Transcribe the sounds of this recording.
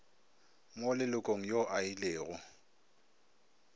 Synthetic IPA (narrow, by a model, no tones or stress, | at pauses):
molɪlʊkʼoŋ̩joʔaileːɣʊ